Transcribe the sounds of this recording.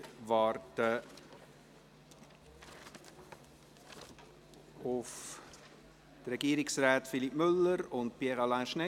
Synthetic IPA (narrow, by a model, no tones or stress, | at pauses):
vɑːɾtə | ʊf | tɾɛɡ̥iːɾɪksraːtfilipmʏlːəɾʊntpiəʁɑlãnʃnɛ